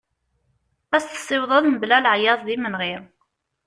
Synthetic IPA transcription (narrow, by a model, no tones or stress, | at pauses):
æsθə̥sˤːɪwðˤɑðməblælʕjɑðˤðimənʁɪɾ